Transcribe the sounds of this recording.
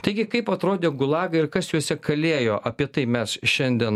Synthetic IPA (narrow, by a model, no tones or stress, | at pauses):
t̪ɐɪɡʲɪkɐɪpɐt̪ɾoːd̪ʲeːɡʊlˠɑːɡɐɪɾkɐsjuɔsʲɛkɐlʲeːjoːʔɐpʲiɛt̪ɐɪmʲɛsʃʲɛnʲd̪ʲiɛn